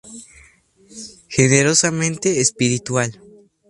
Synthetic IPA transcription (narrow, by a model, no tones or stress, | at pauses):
xeneɾosamẽnt̪eːspiɾit̪wal